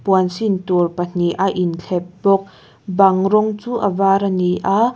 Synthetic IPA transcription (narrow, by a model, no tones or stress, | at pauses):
puənsint̪urpan̥iʔaʔint͡ɬʰɛp̚bɔk̚ | baŋrɔŋt͡suːʔavaɾaniʔa